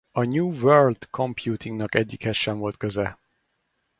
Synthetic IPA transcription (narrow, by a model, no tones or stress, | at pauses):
ɒɲuːvørld̪̥kʰo̞mpjuːt̪iŋɡnɒkɛɟːikhɛʃːɛɱvo̞lt̪køzɛ